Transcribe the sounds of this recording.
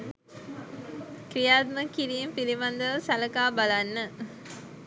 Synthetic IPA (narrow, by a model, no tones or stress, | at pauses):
kɾijaːt̪məkiɾiːmpiɾimand̪əʋsæləkaːbalanːə